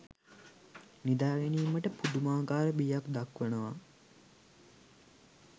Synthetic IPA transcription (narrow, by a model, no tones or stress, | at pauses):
nid̪aːɡeniːməʈəpud̪umaːɡaːɾəbiːjakd̪akʋənəʋa